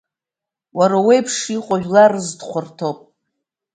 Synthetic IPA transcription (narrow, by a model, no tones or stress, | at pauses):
waɾawejpʰʂiqʷʼaʒᶣlarɨzdχʷʰʊrtʰopʼ